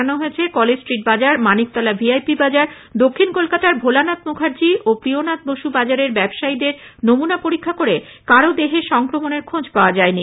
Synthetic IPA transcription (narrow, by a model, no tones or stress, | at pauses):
anoɦoet͡ɕʰekɔled͡ʑsʈɾiʈ̚bad͡ʑaɾmanik̚t̪ɔlabiajpibad͡ʑaɾ | d̪okʰːinkolkat̪aɾbʱolanat̪moɡʱaɾd͡ʑiʔopɾionat̪̚boʃubad͡ʑaɾeɾbɛbʃaid̪eɾnomunapoɾikʰːakoɾe | kaɾod̪eɦeʃɔŋkɾomoneɾkʰod͡ʑpaoad͡ʑaeni